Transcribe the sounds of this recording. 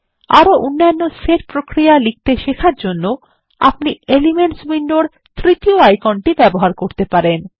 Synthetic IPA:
aɾoʔunːaonːoseʈpɾokɾijalik̚t̪eʃekʰaɾd͡ʑonːo | a̰pnielimeɳʈsbiɳɖoɾ | t̪ɾit̪ioajkɔnʈibɛboɦaɾkoɾt̪epaɾen

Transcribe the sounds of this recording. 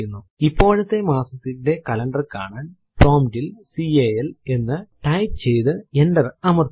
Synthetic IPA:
junːu | ipːo̞ːɻɐt̪ːe̞maːsɐt̪ːinde̞kɐlɐɳɖɐrka̰ːɳaːn | proːmdilsiejele̞nːɨʈɐjp̚t͡ɕe̞jt̪ɨenɖɐrɐmɐr

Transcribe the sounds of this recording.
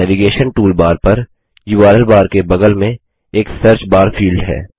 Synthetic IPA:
ɛːʋiɡeːʃənʈuːlbaːɾpɐɾ | juːaːɾəlbaːɾkebɐɡəlmẽ | eːksɐɾt͡ʃbaːɾfʰiːlɖɦɛ̰ː

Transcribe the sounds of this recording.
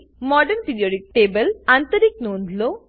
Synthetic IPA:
mɔːɖɐnpiɖioːʈik̚ʈeːbɐlɐnt̪ɐɾik̚noːnlo

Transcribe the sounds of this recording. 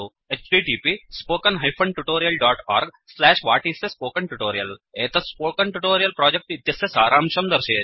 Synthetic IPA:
o | et͡ʃʈiːʈiːpispoːkɐnɦɐjpʰɐɳɖʈuʈoːɾijɐlɖɔːʈɔ̰ːɾɡ | slɛːʃʋaːʈisespoːkɐɳʈuʈoːɾijɐleːt̪ɐspoːkɐɳʈuʈoːɾijɐlpɾɔːd͡ʒek̚ʈit̪jɐsesaːɾaːmt͡ʃɐnd̪ɐɾʃeː

